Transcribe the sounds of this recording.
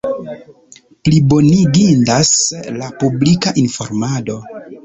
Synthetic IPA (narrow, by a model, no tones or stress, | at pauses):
plibo̞niɡindaslapublikaʔinfo̞̰ɾmado̞